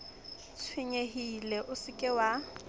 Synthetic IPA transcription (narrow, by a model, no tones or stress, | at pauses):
t͡sʰwiɲeɦilɛʔʊsɪkʼɪwa